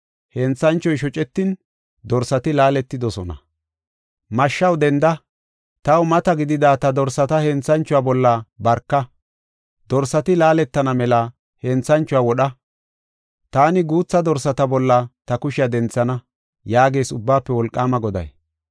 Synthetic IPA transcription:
hɛnt͡sːɐnt͡ʃːɔjʃɔt͡ʃʼɛt̪ːɪn | d̪ɔɾsɐt̪ɪlaːlɛt̪ːɪd̪ɔsɔnɐ̰ | mɐʃːɐwd̪ɛnd̪ɐ | t̪ɐwmɐt̪ɐɡɪd̪ɪd̪aːt̪ɐd̪ɔɾsɐt̪ɐhɛnt͡sːɐnt͡ʃːʊwaːbɔlːɐbɐɾkːɐ | d̪̥ɔɾsɐt̪ɪlaːlɛt̪ːɐnɐmɛlɐ | hɛnt͡sːɐnt͡ʃːʊwawɔɗɐ | t̪aːnɪɡuːt͡sːɐd̪ɔɾsɐt̪ɐbɔlːɐt̪ɐkʊʃɪjɐd̪ɛnt͡sːɐnɐ | jaːɡe̞ːsʊbːaːpːɛwɔlkʼːaːmɐɡɔd̪ɐ̰j

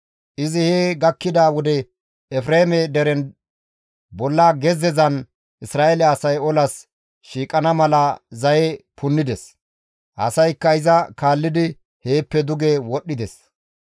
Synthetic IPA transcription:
ʔɪzɪheːɡɐkːɪd̪aːwɔd̪ɛ | ɛfɾeːmɛd̪ɛɾɛn | bɔlːaɡɛzɛzɐn | ʔɪsɾaːelɛɐsɐjɔlɐs | ʃiːkʼɐnɐmɐlɐzɐjɛpʊnːɪd̪ɛs | ʔɐ̰sɐjkːɐɪzɐkaːlːɪd̪ɪ | he̞ːpːɛd̪ʊɡewɔɗːɪd̪ɛs

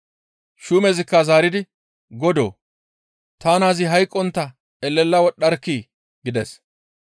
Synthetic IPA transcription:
ʃumɛzɪkːɐzaːɾɪd̪ɪ | ɡɔd̪o̰ː | t̪aːnaːzɪɦɐjkʼːɔnt̪ːɐ | ɛlːɛlːɐwɔɗɐɾkːiː | ɡɪd̪ɛs

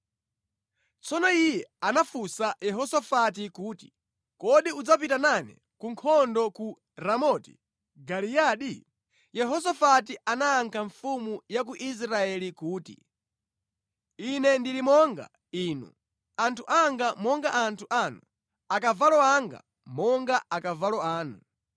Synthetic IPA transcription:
t͡sɔnɔijɛanafusajɛɦɔsafat̬ikuːti̥ | kɔɗiud͡zap̬itananɛ̰ | kuŋkʰɔndɔku | ɾamɔti̥̰ | ɡalijaːɗi | jɛɦɔs̬afatiʔanaːŋkʰaɱfumujak̬uʔis̬ɾaɛlikuːtḭ | inɛndilimɔŋɡa̰ | iːnṵ | antʰuʔaŋɡamɔŋɡaʔantʰuʔanu | akavalɔaŋɡa̰ | mɔŋɡaakavalɔaːnu

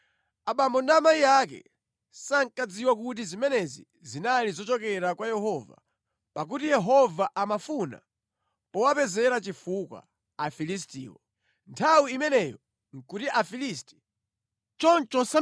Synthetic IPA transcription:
aɓambɔndamajijakɛ̰ | saŋkad͡ziwak̬ut̬izimɛnɛzi | zinalizɔt͡ʃɔkɛɾakwajɛɦɔva̰ | pak̬utijɛɦɔvaʔamafuna̰ | pɔwapɛzɛɾat͡ʃifukwa̰ː | filis̬tḭːwɔ | ntʰawiimɛnɛːjɔ | ŋkutiʔafilisti̥ | t͡ʃɔnt͡ʃɔsa

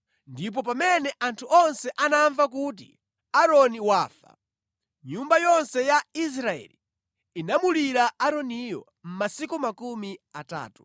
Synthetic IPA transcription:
ndip̬ɔp̬amɛnɛʔantʰuɔnsɛʔanaɱvak̬ut̬ḭ | aɾɔniwaːfa̰ | ɲumbajɔnsɛjais̬ɾaɛ̰li | inamuliɾaʔaɾɔnijɔ̰ | m̩masikumakumiata̰ːtu̥

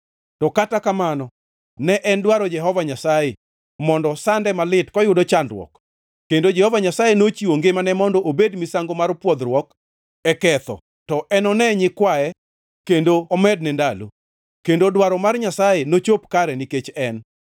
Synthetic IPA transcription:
tɔkatakamanɔ | nɛʔɛndwaɾɔd͡ʒɛɦɔvaɲasaje | mɔndɔsandɛmalɪtkɔjʊdɔt͡ʃandɾwɔ̰kː | endod͡ʒɛhɔvaɲasajenot͡ʃiwoŋɡemanɛmɔndɔʔobedmisaŋɡomarpwɔd̪ɾwɔk | ɛkɛt̪ɔ̰ | tɔʔɛnɔnɛɲɪkwaɛ | kendoːmɛd̚nɛndalo̰ | kendodwaɾɔmarɲasajenot͡ʃopkaɾɛniket͡ʃɛn

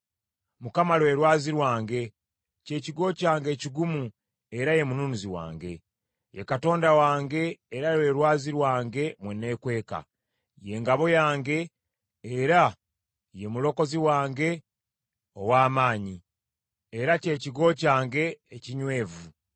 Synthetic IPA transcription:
mukamalwe̞ɾwaːziɾwaːŋɡe̞ | ce̞ːciɡo̞ːcaːŋɡe̞ːciɡumu | e̞ɾaje̞munuːnuziwa̰ːŋɡe̞ | jekato̞ːndawaːŋɡe̞ːɾalwe̞ɾwaːziɾwaːŋɡe̞mwene̞ːkwe̞ːka̰ | je̞ːŋɡaβo̞jaːŋɡe̞ː | ɾa | je̞mulo̞ko̞ziwaːŋɡe̞ | owaːmaːɲi | eɾace̞ciɡo̞ːcaːŋɡe̞ːciɲwe̞ːvu

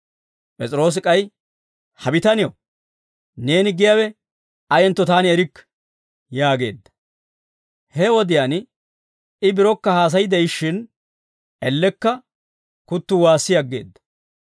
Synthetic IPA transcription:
pʼɛt͡sʼɪɾo̞ːs̬ɪkʼɐj | hɐbɪt̪ɐnɪjo | ne̞ːnɪɡɪjawɛ | ɐjɛnt̪ːɔt̪aːnɪɛɾɪkː | jaːɡe̞̰ːd̪ːɐ̥ | hɛwɔd̪ɪjaːn | ɪbɪɾɔkːɐhaːs̬ɐjɪd̪ɛjʃːɪn | ɛlːɛkːɐ | kʊt̪ːʊwaːsːɪjɐɡːeːd̪ːɐ̥

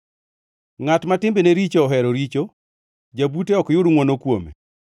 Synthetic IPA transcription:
ŋatmatɪmbeneɾit͡ʃoːɦɛɾoɾit͡ʃo | d͡ʒabuteɔkjʊɾŋwɔnokwomḛ

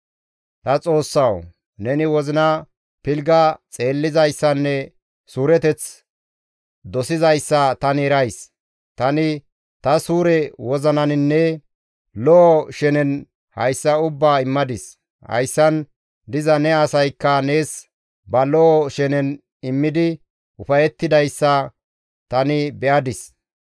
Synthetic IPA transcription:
t̪ɐt͡sʼo̞ːsːɐw | nɛnɪwɔzɪnɐ | pɪlɡɐt͡sʼe̞ːlːɪzɐjsːɐnːɛ | suːɾɛt̪ɛt͡s | d̪ɔsɪzɐjsːɐt̪ɐnɛɾɐjs | t̪ɐnɪ | t̪ɐsuːɾɛwɔzɐnɐnɪnːɛ | lɔʔɔʃɛnɛn | hɐ̰jsːɐʊbːaːɪmːɐd̪ɪs | hɐ̰jsːɐn | d̪ɪzɐnɛɐsɐjkːɐne̞ːs | bɐlɔʔɔʃɛnɛn | ɪmːɪd̪ɪ | ʊfɐjɛt̪ːɪd̪ɐjsːɐ | t̪ɐnɪbɛʔɐd̪ɪs

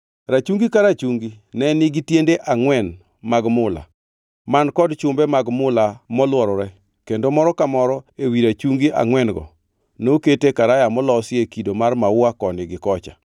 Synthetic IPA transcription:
ɾat͡ʃuŋɡikaɾat͡ʃuŋɡinɛnɪɡitjendeʔaŋwɛn | maɡmʊla̰ | mankɔdt͡ʃʊmbɛmaɡmʊlamɔlwɔɾɔɾɛ | kendomɔɾɔkamɔɾɔewiɾat͡ʃuŋɡiʔa̰ŋwɛnɡɔ̰ | noketekaɾajamɔlɔsɪekidomarmawakɔnɪɡɪkɔt͡ʃa

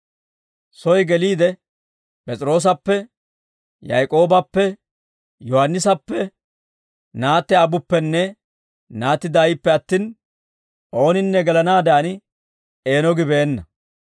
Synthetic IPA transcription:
sɔjɡɛliːd̪ɛ | pʼɛt͡sʼɪɾo̞ːs̬ɐpːɛ | jɐjkʼo̞ːbɐpːɛ | jɔhɐnːɪsɐpːɛ | naːt̪ːɛɐbʊpːɛnːɛ | naːt̪ːɪd̪aːjɪpːɛɐt̪ːiːn | ʔo̞ːnɪnːɛɡɛlɐnaːd̪ɐɐnɪ | eːnɔɡɪbeːnːɐ

